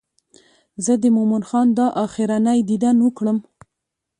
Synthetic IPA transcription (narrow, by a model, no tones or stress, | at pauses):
zəd̪əmomanxɑnd̪ɑʔɑxɪɾanajd̪id̪anwəkɽəm